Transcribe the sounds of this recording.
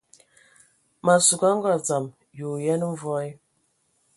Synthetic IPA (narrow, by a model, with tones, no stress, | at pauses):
ma˨su˨ɡa˦ŋ˦ɡɔ˦˨d͡za˨m | ju˨jɛ˦n˦ɱ̩˦vɔ˦i˦